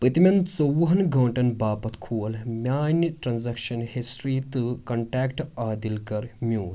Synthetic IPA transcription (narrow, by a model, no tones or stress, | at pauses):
pɨt̪imʲɐnt͡sowɦɐnɡʱɐːɳʈɐnbaːpɐt̪kʰuːɐlmʲaːnɐʈɾanzakʃɐnhisʈɾiːt̪ɨkɐɳʈaːkʈaːd̪ilkɐɾmʲjuːn